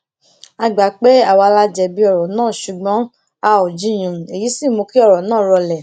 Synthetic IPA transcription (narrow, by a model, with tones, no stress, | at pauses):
a˧ɡ͡ba˨k͡pe˦a˦˨wa˧la˦d͡ʒɛ˧˨bi˧˦ɔ˨ɾɔ̃˨nãː˦˨ʃu˨ɡ͡bɔ̃˨˦ | a˧o˨d͡ʒĩ˦j̃ũ˨e˨ji˨˦si˦˨mo˧ki˦ɔ˦˨ɾɔ˨nãː˦˨ɾɔ˧lɛ˨